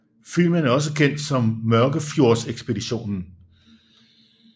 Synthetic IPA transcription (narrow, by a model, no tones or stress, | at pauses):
fil̰mənæɐɒ̽s̬əkʰen̰d̥sɒ̽mmɶɐɡ̥əfjo̝ɐ̰seɡ̥sb̥e̝diɕo̝̰ːnn̩